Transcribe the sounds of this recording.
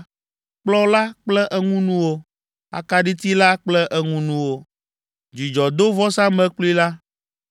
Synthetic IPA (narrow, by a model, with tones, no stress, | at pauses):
k͡plɔ˦la˦k͡plɛ˦ʔɛ˦ŋũ˦nũ˦wo˦ | a̰˨ka˦ɖi˦t̪i˦la˦k͡plɛ˦ʔɛ˦ŋũ˦nũ˦wo˦ | d͡ʒi˨d͡ʒɔ˨d̪o˦vɔ˦sã˦mɛ̃˦k͡plu˦i˦la˦